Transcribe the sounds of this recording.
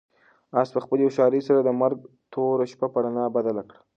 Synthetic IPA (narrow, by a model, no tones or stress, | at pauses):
ɑspəxpəleʃɑɾəjsaɾad̪əmaɾɡ̚ | t̪ʰoɾaʃpapaɽanabad̪alakɽa